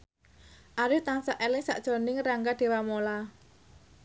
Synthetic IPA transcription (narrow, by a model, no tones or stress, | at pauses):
ʔaɾɪht̪aŋsaʔelɪŋsa̰ʔd̥ʒ̥ɔ̤nɪŋraŋɡad̥e̤wamola